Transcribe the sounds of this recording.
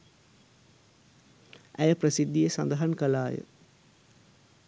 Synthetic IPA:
ʔæjəprəsid̪ːijesand̪əɦankəlaːjə̰

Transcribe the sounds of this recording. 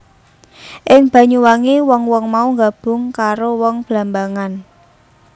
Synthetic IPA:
ʔɪŋb̥ä̤ɲuwaŋewɔŋwɔŋmauŋɡab̥ʊ̤ŋkaɾowɔŋb̥lambaŋan

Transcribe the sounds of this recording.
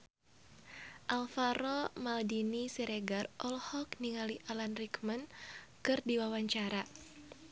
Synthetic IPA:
ʔalfaɾɔmaldinisiɾeɡarʔɔlhɔkniŋaliʔalanrikmənkɨrdiwawaɲt͡ʃaɾa

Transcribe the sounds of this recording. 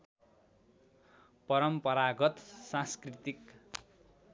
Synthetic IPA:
pʌɾʌmpʌɾaɡʌt̪sãskrit̪ik

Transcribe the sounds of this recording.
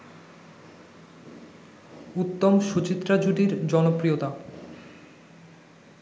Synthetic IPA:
ut̪ːomʃut͡ɕit̪ːɾad͡ʑuɖiɾd͡ʑɔnopɾijot̪a

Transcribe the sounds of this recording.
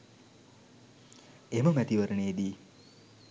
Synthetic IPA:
eməmæt̪iʋəɾəneːd̪iː

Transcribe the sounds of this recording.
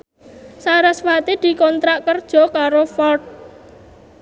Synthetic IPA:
saɾaswat̪id̪̥i̤kɔnt̪ɾaʔkərd̥ʒ̥ɔ̤kaɾofɔrt̚

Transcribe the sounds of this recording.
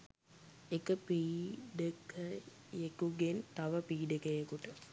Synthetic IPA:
ekəpiːɖekə | jekuɡent̪ɐʋəpiːɖekəjekuʈə

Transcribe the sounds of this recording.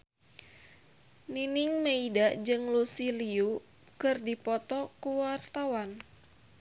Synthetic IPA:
ninɪŋmeidaʔd͡ʒɨŋlusiliu | kɨrdipɔt̪ɔkuwart̪awan

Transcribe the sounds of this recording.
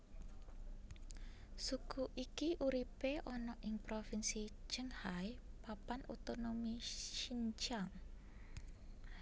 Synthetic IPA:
sukuʔikiʔuɾipeʔɔnɔʔɪŋpɾofinsid͡ʒ̥əŋhajpapanot̪onomiʃiɲt͡ʃaŋ

